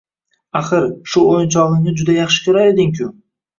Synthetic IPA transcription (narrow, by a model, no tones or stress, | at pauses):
aχɨɾʃʊojɪnt͡ʃʰɒlˠɨŋnɪd͡ʒʊd̪ajɑχʃɪ̥kʲʰoɾaed̪ɪŋkʲʰʊ